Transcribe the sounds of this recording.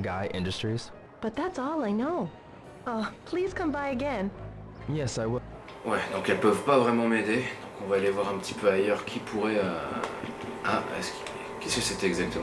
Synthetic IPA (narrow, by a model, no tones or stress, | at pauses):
ɡaɪʔɪ̃ndɨstɹ̥iz̥ | b̥ʌt̪̚ðætsɔlˠaɪnoʊ | opʰl̥iz̥kʰʌ̃mbaɪɨɡɛ̃njɛsaɪwɪ | wɛd̪ɔ̃kɛlpəvpavʁɛmɑ̃med̪ed̪̥ɔ̃kɔ̃vaːlevwaʁɛ̃pət̪i̥pøajœʁkʰʲipʰuʁɛø | aɛ̰sk | kɛskəsɛt̪ɛɡzak̚t̪əm̃